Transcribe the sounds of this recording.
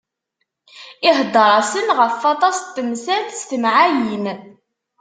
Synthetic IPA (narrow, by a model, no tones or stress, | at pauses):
ɪɦd̪ˤəɾˤɑsənʁəfːɑt̪ˤɑst̪ːəmsæθst̪əmʕajən